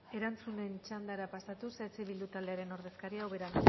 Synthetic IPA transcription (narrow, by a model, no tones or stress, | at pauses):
e̞ɾant͡sune̞nt͡ʃand̪aɾapasat̪uset͡siβild̪ut̪ald̪e̞aɾe̞no̞ɾðe̞skaɾiawβe̞ɾan